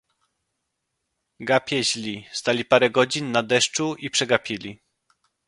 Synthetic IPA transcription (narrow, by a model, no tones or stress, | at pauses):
ɡapʲjɛʑlʲist̪alʲipaɾɛɡɔd͡ʑinːad̪ɛʂt͡ʂuipʂɛɡapʲilʲi